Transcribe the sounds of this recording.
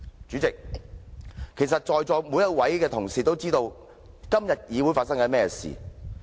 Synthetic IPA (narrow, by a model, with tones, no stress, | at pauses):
t͡ʃyː˨˥t͡sɪ˨k̚ | kʰe˨˩jsɐ˨t̚t͡ʃɔː˨jt͡sɔː˨˧jmu˨˧˥jɐ˥t̚wɐ˨˥jkɛː˧t̪ʰʊ˨˩ŋsiː˨˩t̪o˥wt͡siː˥t̪o˧w | kɐ˥mjɐ˨t̚jiː˨˧wuː˨˥jfaː˧t̚sɐ˥ŋkɐ˨˥mɛː˥ɛ˧sḭː˨